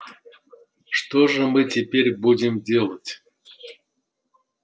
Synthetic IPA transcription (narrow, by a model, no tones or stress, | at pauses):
ʂt̪oʐɨmɨtʲepʲeɾʲbudʲɪmdʲelˠətʲ